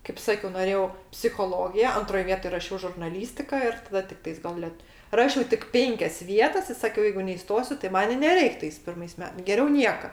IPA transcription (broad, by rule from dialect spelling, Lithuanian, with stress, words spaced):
kɐɪp ˈsɑːkʲɛʊ noːˈrʲeːjɛʊ pʲsʲɪxoːˈlˠoːɡʲɪjɛ ˈɐntroːj ˈʋʲiɛtoːj rɐˈʃʲɛʊ ʒʊrnɐˈlʲiːsʲtʲɪkɐ ɪr tɐˈdɐ tʲɪkˈtɐɪs ɡɐlˠ ˈlʲɛt ˈrɑːʃʲɛʊ tʲɪk ˈpʲɛŋʲkʲɛs ˈʋʲiɛtɐs ɪ ˈsɑːkʲɛʊ ˈjɛɪɡʊ nʲɛɪˈstoːsʲʊ tɐɪ ˈmɐn ɪ nʲɛˈrʲɛɪk tɐɪs ˈpʲɪrmɐɪs ˈmʲɛ ɡʲɛˈrʲɛʊ ˈnʲiɛkɐ